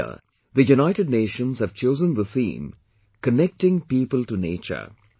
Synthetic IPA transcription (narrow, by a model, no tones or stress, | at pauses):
ə̰ | d̪əjunaɪʈɪɖ̚neːʃə̃nzhæʋt͡ʃoːzə̃nd̪əsḭ̃ːm | kənɛk̚ʈɪ̃ŋpiːpəlʈunḛːt͡ʃə̰ɾ